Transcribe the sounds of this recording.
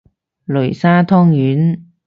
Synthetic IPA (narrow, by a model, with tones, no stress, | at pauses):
lɵ˨˩saː˥t̪ʰɔː˥ŋjyː˨˥n